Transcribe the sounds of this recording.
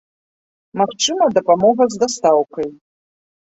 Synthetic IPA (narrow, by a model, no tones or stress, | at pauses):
maxt͡ʂɨmɐd̪ɐpamɔɣɐzd̪ast̪awkɐj